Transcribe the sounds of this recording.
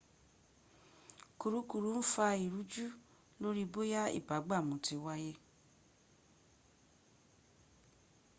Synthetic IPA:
ku˨ɾu˨˦ku˧˨ɾu˨˦n̩˦fa˧i˨ɾu˨˦d͡ʒu˦ | lo˦ɾi˦bo˦ja˦ḭ˦˨ba˨˦ɡ͡ba˦˨mũ˨˦ti˨˧wa˦je˦

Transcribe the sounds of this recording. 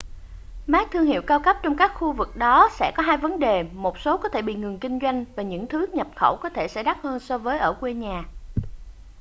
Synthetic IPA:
maː˦˥k̚t̪ʰɨ˧əŋhḭ˧˨əwkaː˧wkə˦˥p̚t͡ɕɔ˧wŋ͡mkaː˦˥k̚xu˧vɨ˨˩k̚ɗɔ˨˦sɛ̰˧˥kɔ˨˦ɦaː˧jvə˨˦nɗe˨˩mo˨˩t̚so˨˦kɔ˨˦t̪ʰe˧˩ɓḭ˧˨ŋɨ˨˩ŋkï˧ŋ̟zwa˧jŋ̟vaː˨˩ɲɨ̰˧˥ŋt̪ʰɨ˨˦ɲə˨˩p̚xə˧˩wkɔ˨˦t̪ʰe˧˩sɛ̰˧˥ɗa˦˥t̚həː˧nsɔ˧vəː˨˦jʔəː˧˩kwe˧ɲaː˨˩

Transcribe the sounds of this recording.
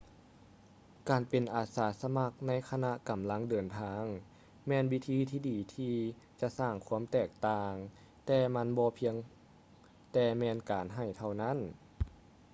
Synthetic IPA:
kaː˨˩npe˨˩nʔaː˨˩saː˨˩˦sa˧ma˧˥k̚na˧˥˨jkʰa˧na˧˥ʔka˨˩mla˧˥ŋdɤː˨˩nt̪ʰaː˧ŋ | mɛː˧˥nwi˦˧˥t̪ʰiː˧˥t̪ʰiː˧diː˨˩t̪ʰiː˧ | t͡ɕa˧˨saː˧˩ŋkʰu˧˥ə˨mt̪ɛː˧˩k̚t̪aː˧ŋ | t̪ɛː˧ma˧˥˨nbɔː˧pʰi˧əŋ | t̪ɛː˧˩mɛː˧˥nkaː˨nɦa˧˩jt̪ʰa˧˩wna˧˥˨n

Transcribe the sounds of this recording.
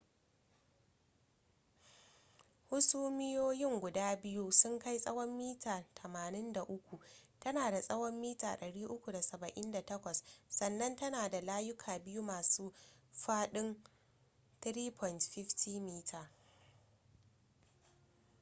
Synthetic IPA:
hʊ˦suː˦mɪ˦joː˦jɪ˦ŋɡʷʊ˨daː˦bɪ˦ju˦sʊ˦ŋka˦jsʼɐ˦wɔ˦mːiː˦tʰaː˨tʰɐ˨maː˨nɪ˦nda˨ʔʊ˦kʷu˨tɐ˦naː˨da˨sʼɐ˦wɔ˦mːiː˦taː˨ɗɐ˨ɽiː˦ʔʊ˦kʷu˨da˨sɐ˨bɐ˨ʔɪ˦nda˨tɐ˦kʷɐ˨ssɐ˨nːɐ˦ntɐ˦naː˨da˨laː˦jʊ˦kʰaː˨bɪ˦ju˦maː˨suː˦ɸaː˦ɗɪ˦n | t̪ɾiː˦pʰɔ˨jntɸɪ˦ɸtʰiː˦miː˦tʰaː˨

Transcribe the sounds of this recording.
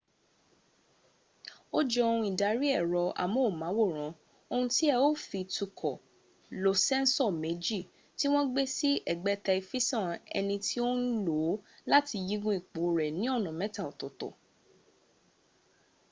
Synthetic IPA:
o˦d͡ʒɔ˧˦õ˧ũ˧i˨da˨˦ɾi˦ɛ˦˨ɾɔ˧a̰˨mɔ̃˦o˦˨mã˨˦wo˦˨ɾ̃ã˨˦ | o˧hũ˧ti˦ɛ˧o˦fi˧tu˧kʰɔ˨ | lo˨sɛ̃˦n̩˦sɔ˦˨me˨˦d͡ʒi˦˨ | ti˦w̃ɔ̃˦ɡ͡be˦si˦ʔɛ˦˨ɡ͡bɛ˦ta˧i˧fi˦sɔ̃˦˨ɛ̰˧nĩ˧tʰi˦o˦n̩˦lo˨˦la˦ti˧ji˦ɡũ˦i˦˨k͡po˨˦˨ɾɛ˨nĩ˦ɔ˦˨nɔ̃˨mɛ̃˨˦ta˦˨o˨to˨tɔ̰˨

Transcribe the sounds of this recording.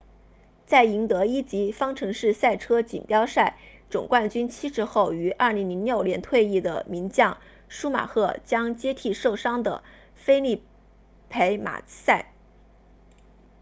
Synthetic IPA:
t͡sa˥˩ɪi˧˥ŋt̪ɤ˧˥i˥t͡ɕi˧˥fɑ˥ŋʈ͡ʂʰɤ˧˥ŋʂɻ̩˥˧sa˥˩ɪʈ͡ʂʰɤ˥t͡ɕḭ˨˩npjɑ˥ʊʂa˥˩ɪ | ʈ͡ʂʊ˨˩ŋkwa˥˩nt͡ɕy˥nt͡ɕʰi˥ʂʰɻ̩˧˥xo˥˩ʊy˧˥ʔɐ˞˥˩li˧˥ŋli˧˥njo˥˩ʊljɛ˧˥nt̪ʰwe˥˧ɪi˥˩d̪ə̰˩mi˧˥ŋt͡ɕjɑ˥˩ŋ | ʂu˥ma̰˨˩xʰɤ˥˩t͡ɕjɑ˥ŋt͡ɕjɛ˥t̪ʰi˥˧ʂo˥˩ʊʂɑ˥ŋd̪ə̰˨˩ | fe˥ɪli˥˩ | pʰe˧˥ɪma̰˨˩sa˥˩ɪ

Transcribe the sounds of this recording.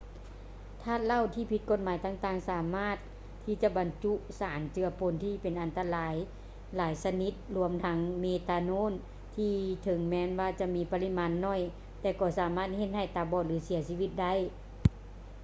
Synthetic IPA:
t̪ʰaː˧˩t̪̚la˧˨wt̪ʰiː˧˥˩pʰi˧˥t̪̚ko˧˩t̪̚maː˨˦jt̪aː˧˩ŋt̪aː˧˩ŋsaː˨˦maː˧˥˩t̪ʰː | iː˧˩t͡ɕa˧ba˨nt͡ɕu˧˥saː˨˦nt͡ɕɯ˧ɐpo˨˦nt̪ʰiː˧˩pe˨nʔa˨nt̪a˧laː˨˦j | laː˨˦jsa˧ni˧˦t̪̚lu˧əmt̪ʰa˧˦˥ŋmeː˧˩t̪aː˧noː˧˥˨n | t̪ʰiː˧t̪ʰɤ˨˦ŋmɛː˧˥˨nwaː˧t͡ɕa˧˥miː˧˥pa˧li˧˥maː˧˥nːɔ˧˥˨j | t̪ɛː˧˩kɔː˧˩saː˨˦maː˧˥˩t̪̚he˧t̪̚ha˧˩jt̪aː˧˩bɔː˧˩lɯː˨˦si˨˩˦siː˧ʋi˧˩t̪̚da˧˥˩j

